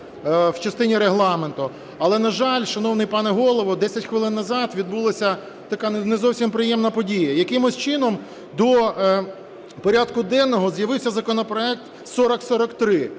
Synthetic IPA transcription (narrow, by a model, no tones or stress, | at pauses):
wt͡ʃɐst̪ɪnʲiɾeɦlˠɑment̪ʊ | ɐlˠɛnɐʒɑlʲʃɐnɔwnɪjpɑnɛɦɔlˠɔʋɔd̪ɛsʲɐtʲxʋɪlˠɪnːɐzɑt̪ʋʲid̪bulˠɐsʲɐ | t̪ɐkɑnnezɔwsʲimpɾɪjɛmnɐpɔdʲijɐjɐkɪmʊsʲt͡ʃɪnɔm | d̪ɔ | pɔɾʲɑd̪kʊd̪ɛnːɔɦɔzjɐʋɪwsʲɐzɐkɔnɔpɾɔɛk̚t̪ | sɔɾɔksɔɾɔkt̪ɾɪ